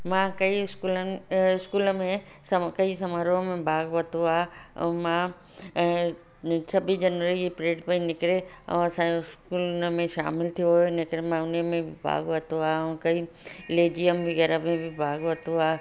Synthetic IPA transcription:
mãkɐiɪskuːlɪskuːlmẽ | sɐkɐisɐməɾõmẽbʱaːɡʋɐt̪oa̰ːmã | sɐbʱid͡ʑɐnʋəɾid͡ʑipɾeːʈpɐinɪkɾeɐ̰̃ɐsãeɪskuːlmẽʃa̰ːmɪlt̪ʰijoɦonɪkɾemãʊnemẽbʱɪbʱa̰ːɡʋɐt̪oaːɐ̃kɐi | leːd͡ʑijəmʋɪɣɐɾəmẽbʱɪbʱaːɡʋɐt̪oaː

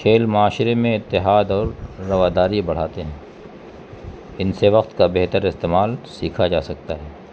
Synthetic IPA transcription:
ʃʰeːlmʊaːʃɾemẽɪt̪ːɪɦaːd̪ɔːɾːɐʋaːd̪aːɾibɐɽ̤aːt̪eɦɛ̃ː | ɪnseʋɐqt̪kabɛɦt̪əɾɪst̪eːmaːlsiːkʰad͡ʒaːsɐk̚t̪aɦɛː

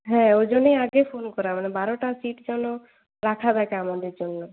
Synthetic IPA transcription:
ɦɛ̃od͡ʒɔnejaɡepʰonkɔɾamanebaɾɔʈasiʈd͡ʒɔnɔ | ɾakʰad̪akamɔd̪id͡ʒonːɔ

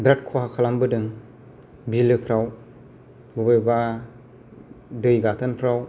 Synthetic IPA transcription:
bɾat̚kʰuɦakʰalambɯdɯŋ | bilɯpʰɾaw | ɡubɯjba | dɯjɡatʰanpʰɾaw

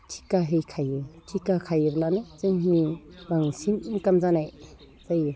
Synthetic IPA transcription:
tʰi̥kaɦejkʰajɯtʰikakʰajɯblanɯzajɦibaŋsinikamzanaj | z̥aj

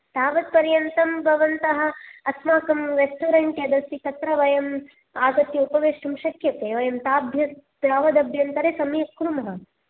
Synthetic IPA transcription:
t̪aːʋɐd̪̚pɐɾjɐnt̪ɐmbʱɐʋɐnt̪ɐɦɐ̆ɐsmaːkɐmɾesʈuːɾeɳʈjɐd̪ɐsit̪ɐt̪ɾɐʋɐjɐm | aːɡ̪ɐt̪jɐupɐʋeːʂʈɐmʃɐkʰjɐt̪eːʋɐjɐmt̪aːbʱjɐp̪ɾaːʋɐd̪ɐbʱjɐnt̪ɐɾeːsɐmjɐkɾumɐɦɐ

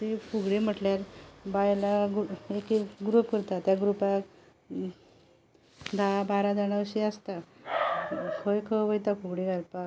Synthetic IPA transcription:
t̪efʰuɡɽem̤əʈljaɾbajlaɡekeɡɾupkəɾt̪at̪jaɡɾupak | d̪ʱabaɾad͡zaɽ̃aəɕiast̪a | kʰəjkʰəbəjt̪akʰuɡɽeɡʱalpa

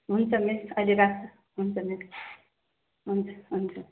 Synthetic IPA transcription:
ɦunt͡sʰʌmesʌliɾakt͡sʰʌ | ɦunt͡sʰʌmes | ɦunt͡sʰʌ̥ɦunt͡sʰʌ

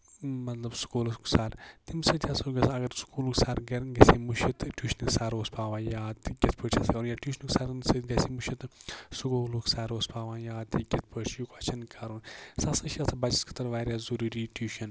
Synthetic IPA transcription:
mɐt̪lɐbsu̥kuːlɐsku̥saːɾt̪imsɐt̪ʰʲjaːsoɡɐsʰɐɡɐɾsu̥kuːluksaːɾɡɐɾɡɐseːmuʃit̪ʈʲuːʃnɨksaːɾoːspaːʋãːjaːt̪ɡʲɐt̪ʰpəːt͡ʃʰaskaɾunjaːʈʲjuːʃnksaːɾnsɐt̪ɡɐsimuʃit̪sukoːlukʰsaːɾoːspaːʋaːjaːt̪iɡʲet̪̚pʰəːt͡ʃʰjukɐt͡ʃʰɐnkʰɐɾunsasɐʃɐt̪ʰɐbɐd͡ʒiskʰi̥t̪ɐɾʋaːɾjaːzuɾuːɾiːʈuːʃɐn

